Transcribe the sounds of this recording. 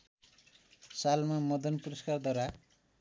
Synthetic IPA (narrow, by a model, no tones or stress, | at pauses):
salmamʌd̪ʌnpuɾʌskard̪waɾa